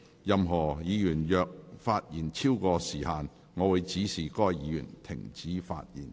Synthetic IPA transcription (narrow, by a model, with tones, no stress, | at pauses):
jɐ˨mɦɔː˨˩jiː˨˧jyː˨˩njœː˨k̚faː˧t̚jiː˨˩nt͡sʰiː˥wkɔː˧siː˨˩haː˨n | ŋɔː˨˧wu˨˧jt͡siː˨˥siː˨˩kɔː˥jjiː˨˧jy̰ː˨˩nt̪ʰɪ˨˩ŋt͡siː˨˥fa̰ː˧t̚jḭ˨˩n